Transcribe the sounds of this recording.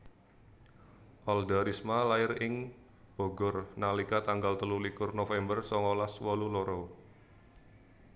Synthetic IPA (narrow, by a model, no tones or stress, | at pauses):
ʔɔld̪aɾismalaɪrɪŋ | b̥o̤ɡɔrnalikat̪aŋɡalt̪əlulikʊrnofɛmbərsɔŋɔlaswɔluloɾɔ